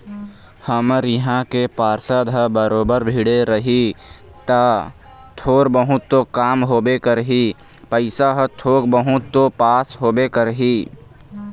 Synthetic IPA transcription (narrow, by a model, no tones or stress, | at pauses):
həmɾjəɦãkepaːɾsəd̪ʱəbəɾoːbəɾbʱiːɽeɾəɦi | t̪a | t̪ʰoːɾbəɦʊt̪ːokaːmɦoːbekəɾɦi | pəɪsaɦət̪ʰoːɡbəɦʊt̪ːopaːsɦoːbekəɾɦiː